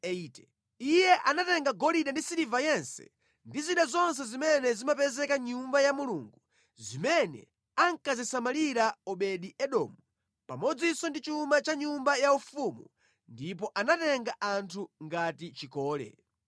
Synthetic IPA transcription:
ɛitɛ | ijɛʔanatɛŋɡaɡɔliɗandisiɾivajɛnsɛ̥̰ | ndiziɗazɔns̬ɛzimɛnɛzimapɛzɛkaɲumbajamuluŋɡu | zimɛnɛ̰ | aŋkazɛsamaliɾaɔɓɛɗiɛɗɔːmu | pa̰mɔd͡zisɔndit͡ʃumat͡ʃaɲumbajaufumu | ndip̬ɔʔanatɛŋɡaʔantʰuŋɡatit͡ʃikɔːlɛ̰

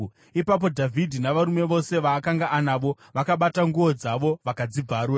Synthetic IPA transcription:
ipap̬o̞dʱavʱidʱinaʋaɾume̞ʋo̞se̞ʋaːkaŋɡaʔanaʋo̞ | ʋakaɓataŋɡuo̞d͡zaʋo̞ʋakad͡zib͡vaɾura

